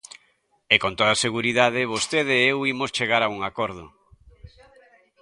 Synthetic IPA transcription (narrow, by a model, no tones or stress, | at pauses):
ekont̪oðaseɣuɾiðaðɪβost̪eð̞ɪewimost͡ʃeɣaɾauŋakoɾð̞ʊ